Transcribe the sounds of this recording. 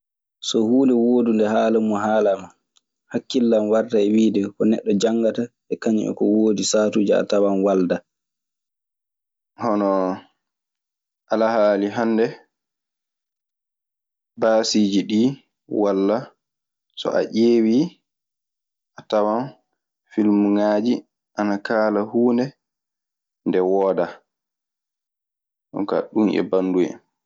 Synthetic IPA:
sɔhuːndɛwoːdundɛhaːlumːɔɦaːlama | hakːilːamwardaɛwiːdɛkɔnɛɗːɔd͡ʒaŋɡataʔɛkaɲḭʔɛ̰kɔwoːdisaːtud͡ʒaa̰tawanwalda | hɔnɔ | ʔalahaːliɦandɛ | baːsid͡ʒiɗiː | walːa | sɔ̰ʔa̰ʔeːwi | ʔatawan | filmuŋaːd͡ʒi | ʔanakaːlahuːndɛ | ndɛwɔːda | ʔɔ̰ka̰ɗunʔɛ̰banːduɛ̰

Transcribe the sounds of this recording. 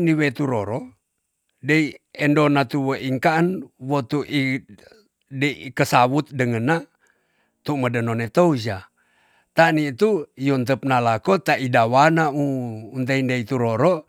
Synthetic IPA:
niwet̪uɾoɾo | deiendonat̪uwəʔiŋkaʔənwot̪uʔi | deiikəsaβut̪̚dəŋəna | t̪umədənonet̪oud͡ʒa | t̪anit̪ujont̪əp̚nalakot̪aʔidawanauːnt̪̬eindeit̪uɾoɾo

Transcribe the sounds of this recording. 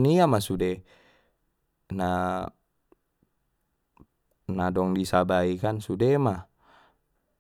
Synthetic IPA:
niamasude | na | nadɔŋdisabaikansudema

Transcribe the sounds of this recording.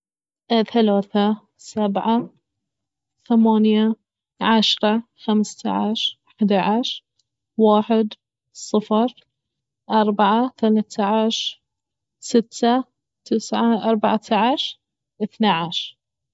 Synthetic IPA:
ʔθalaːθa | sabʕa | θamaːnja | ʕaʃɾˤɑxamst̪a̰ʕaʃ | ħd̪aʕaʃɾ | waːħɪd̪ | sˤɨfɾˤ | ʔɑɾˤbaʕaθalat̪aʕaʃ | sɪt̪ʰːa | t̪ɪsʕaʔɑɾˤbaʕat̪ʰaʕaʃ | ʔɪθnaʕaʃɾ

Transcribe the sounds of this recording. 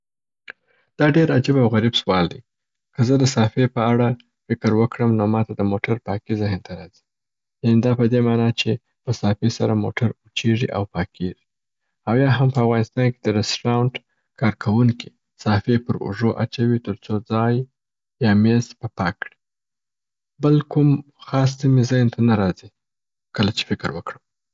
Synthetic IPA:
d̪̥ɑɖeɾad͡ʒabawɣaɾibswɑld̪ḭ | kəzəd̪əsɑfepəaɽa | fɪkəɾwəkɽəmnomɑt̪ad̪əmoʈaɾpɑkizɪhnt̪aɾɑzi̥ | janed̪ɑpəd̪emɑnɑt͡ʃe | pəsɑfesaɾamo̰ʈʰaɾut͡ʃeʐiʔa̰wpɑkʰeʐi̥ | awjɑɦampəafɣɑnɪst̪ɑnked̪əɾɪsʈɾawɳʈ | kʰɑɾkʰawuŋki | sɑfepəɾʊ̰ʐoʔa̰t͡ʃawit̪əɾt͡sod͡zɑjː | ɑmezpəpɑkːɽi̥ | bəlkum | xɑs̬simezɪhnt̪anaɾɑzi | kəlat͡ʃe̥fɪkɪɾwəkɽəm

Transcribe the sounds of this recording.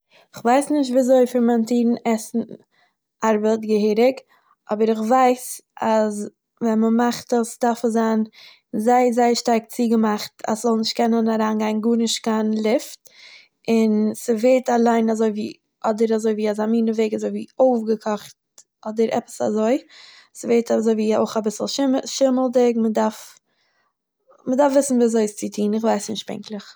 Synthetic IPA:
ɪχvaɪsnɪʃ̬tviazoɪfɪɾmɛntiːɾn̩ɛsn̩ | ʔaɾbətɡəhɪːɾɪk | ɔbəɾɪχvaɪsas | vɛnməmaχtəsdafəzaːn | zaɪzaɪʃtaɾk̚t͡siːɡəmaχtʰa̰szɔlˠnɪʃtkʰɛnənaɾaːnɡaɪnɡuːɾnɪʃtkanlˠɪft | ɪnsəveːɾtalˠaɪnazoɪviː | ɔdəɾazoɪviːazamiːnəveɪɡazoɪviːoʊfɡəkʰɔχt | ɔdəɾʔɛ̰pə̥sa̰zoɪ | səveːɾtazoɪviːo̰ʊχabɪsl̩ˠʃɪʃɪməlˠdɪkmədaɾf | mədaɾfvɪsn̩viːazoɪst͡sɪtʰiːnɪχvaɪsnɪʃt̚pɛ̰ŋklˠəχ

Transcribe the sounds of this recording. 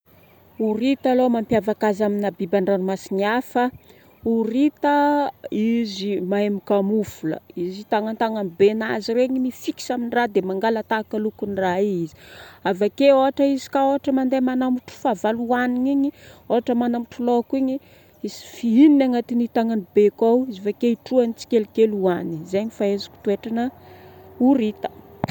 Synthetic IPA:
urit̪alomampjavakazaminabibaɳɖ͡ʐanimasiniafə | urit̪əizimaemikamufulə̰izit̪aŋant̪aŋanibenaziɾeɲimifiki̥saminirad̪emaŋɡalat̪akalukunraiizi̥avakeoɦaʈ͡ʂəizi̥kaoɦaʈ͡ʂəmand̪emanamuʈ͡ʂu̥favaluaniɲiɲioɦaʈ͡ʂəmanamuʈ͡ʂulokuiɲi | izi̥fiininaŋat̪init̪aŋanibekawizifakeiʈ͡ʂuanit͡si̥kelikeluanizeɲifaezḁkʲu̥t̪ueʈ͡ʂanə | uɾit̪ə̥

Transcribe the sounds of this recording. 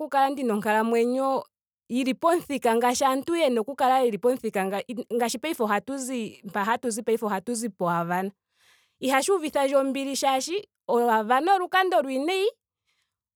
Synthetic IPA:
kukalandinɔŋkalamwɛɲɔ | iɾipɔn̩θikaŋɡaʃantujɛnɔkukalaiɾipɔn̩θikaŋɡŋɡaʃipaifɔɦatuzimpaɦatuzipaifɔhatuzipɔavana | ihaʃuviθaʒɔmbiɾiʃaʃi | ɔavanɔɾukandɔɾwinɛi

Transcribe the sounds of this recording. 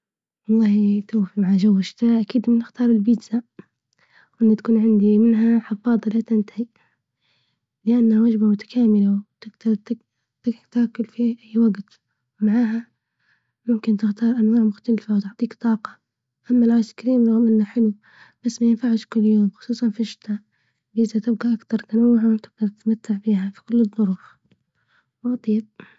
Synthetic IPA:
wɑlˤːɑːht̪uːfimaʕaʒawːɪʃt̪ɪɾɑːʔakiːd̪mɪnːɪxt̪ɑːɾˤɪlbid̪za | wʔɪnːat̪ḁkuːnʕɪnd̪imɪnɦaħɪfɑːd̪ˤɑlat̪ɪnt̪ḁhi | lɪʔanːhawad͡ʒbamʊt̪ḁkʰaːmɪlawt̪ɪt̪ | t̪ɪt̪akːʊlfiʔajːwaɡt̪ | wmaʕaːɦa | mʊmkɪnt̪ɪxt̪ɑːɾˤʔanwaːʕmʊxt̪alfawt̪ʊʕt̪ˤiːkt̪ˤɑːqɑ | ʔamːalaːskaɾiːmˤɑɣmʔɪnːaħɪlu | b̥asːmajɪnfaʕɪʃkʊlːjoːmxʊ̥sˤuːsˤɑnfiʃɪ̥t̪ʰaːʔ | bɪzat̪ɪb̚ɡaʔakt̪ɑɾˤt̪anawːʊʕawt̪ɪɡ̚d̪ɑɾˤt̪ɪt̪mat̪ːaʕbiːɦafi̥kʊlːɨðˤːʊɾuːf | wʔɑt̪ˤijːb̚

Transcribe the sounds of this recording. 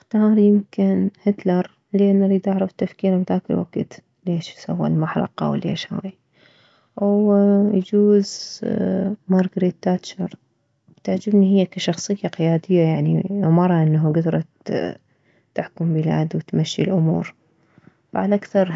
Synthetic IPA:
ʔɪxt̪ɑːɾˤjɪmkɪnhɪt̪lɑɾˤ | lɪʔanːaɾiːd̪aʕɾˤɑft̪ːafkiːɾabd̪aːkɪlwa̰ɡ̥t̪ | leːʃsa̰wːa̰lmaħɾˤɑ̰qɑ̰wlḛːʃha̰ːi | wjd͡ʒuːz | mɑɾˤɡɾit̪ːaːt̪t͡ʃɑɾˤ | t̪aʕd͡ʒɪbnihɪjːakaʃɑxsˤɨjːaqɪjaːd̪ɪjːajaʕnimɑɾˤɑʔɪnːɦaɡad̪ɾˤɑ | t̪ːɪħkʊmbɪla̰ːd̪wt̪maʃːḭlʔʊmṵːɾ | faʕalʔakθɑɾˤ

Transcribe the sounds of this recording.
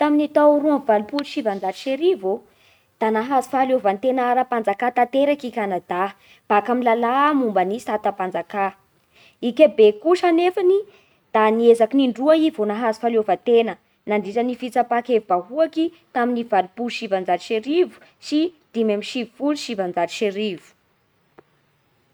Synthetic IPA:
t̪aminit̪aɾuamvalupuluʃivand͡zaʈ͡ʂi̥ʃeɾivo | d̪̥anaɦazu̥falovant̪enaaɾapand͡zakat̪at̪eɾakikʲanad̪a | b̥akaminlalamumbanisat̪apand͡zaka | ikʲabekuʃanefani | d̪̥aniezakiniɳɖ͡ʐuaivonaɦazu̥falovant̪enə | naɳɖ͡ʐiʈ͡ʂənifit͡sapakevibaɦuaki | t̪aminivalipuʃivand͡zaʈ͡ʂi̥ʃeɾivu̥ | si | d̪̥imamiʃivifuluʃivand͡zaɾi̥ʃeɾivu̥

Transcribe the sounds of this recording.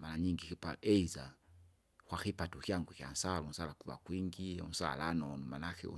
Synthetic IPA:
maɾaɲiŋɡikipa̰ɛiza | kwaxipatukiaŋɡukia̰nsalun̩salakuva̰kwiŋɡiṵn̩sa̰lanɔnmanakɛ̰ṵ

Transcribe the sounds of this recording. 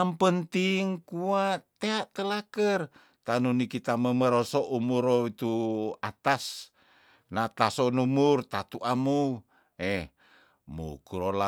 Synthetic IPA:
ampənt̪iŋkuaʔt̪eaʔt̪əlakər | t̪anunikit̪aməməɾosoʔumuɾoit̪uat̪as | nat̪asonumurt̪at̪uʔamu | eh | mṵkuɾola

